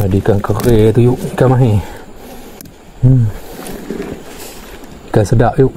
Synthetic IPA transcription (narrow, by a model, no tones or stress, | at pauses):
adikaŋkəret̪ujuʔkamaɦe | kasədaʔjuʔ